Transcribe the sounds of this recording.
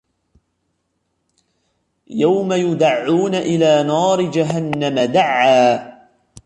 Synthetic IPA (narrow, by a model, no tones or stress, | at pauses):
jawmajʊd̪aʕːuːnaʔɪlaːnɑːɾɪd͡ʒaɦanːamad̪aʕːaː